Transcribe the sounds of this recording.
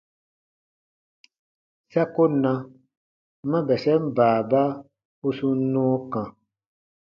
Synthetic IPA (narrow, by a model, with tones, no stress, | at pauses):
sa˦ko˦nã˧ | mã˦bɛ˨sɛ˦m̩˦baː˨ba˦ | u˦su˧˦nɔ̃ː˦kã˨